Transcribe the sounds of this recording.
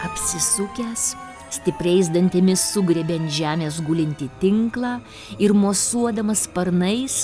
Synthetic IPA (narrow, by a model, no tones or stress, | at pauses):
ɐpʲsʲɪsʊkʲæːs | sʲt̪ʲɪpʲɾʲɛɪzd̪ɐnʲt̪ʲemʲɪssʊɡɾʲɛbʲɛnt̪ʒʲæːmʲeːs̬ɡʊlʲɪnʲt̪ʲɪt̪ʲɪŋklˠɑː | ɪɾmoːsuɔd̪ɐmɐspɐɾnɐɪs